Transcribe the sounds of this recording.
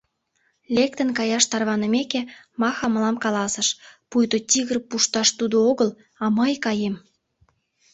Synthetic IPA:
lʲek̚t̪ə̆nkɑjɑʃt̪ɑrβɑnə̆meke | mɑxɑməlɑmkɑlɑsə̆ʃpujt̪ot̪ʲiɣərpuʃt̪ɑʃt̪ud̪ooɣəl | ɑməjkɑjem

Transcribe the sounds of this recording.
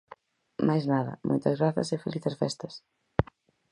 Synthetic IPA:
majznaðɐ̰mʔo̰jt̪ɐzɣɾaθɐ̰sɪfeliθesfɛst̪ɐs

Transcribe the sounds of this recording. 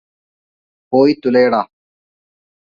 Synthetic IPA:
poːit̪uleːɽaː

